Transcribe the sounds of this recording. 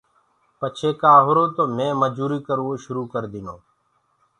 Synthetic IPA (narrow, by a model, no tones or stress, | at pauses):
pət͡ʃʰeːkaːɦʊɾoːt̪oːmẽːməd͡ʒuːɾiːkəɾʋoːʃʊɾuːkəɾd̪iːnoː